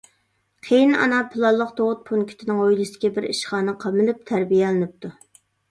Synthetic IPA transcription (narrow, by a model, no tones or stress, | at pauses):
qʰejinɑ̰nɑpʰɨlˠɑlˠːəq̚t̪ʰoʁʊt̪̚pʰunkʲʰi̥t̪ʰɪnɪŋojlˠɨsɪ̥kʲɛbɪɾḭʃχɑːnɨqʰɑmɪlɪp̚t̪ʰæɾbijɛlɪnɪp̚t̪ʰu